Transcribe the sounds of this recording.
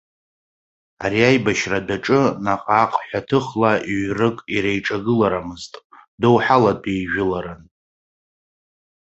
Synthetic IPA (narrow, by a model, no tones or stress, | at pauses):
a̰ɾiajbaʃradaʈ͡ʂʼɨnaqʼaqʼħʷatʰɨχlaiɥrɨkʼiɾejʈ͡ʂʼaɡɨlaɾamɨztʼdowħaladʼejʒᶣʊlaɾan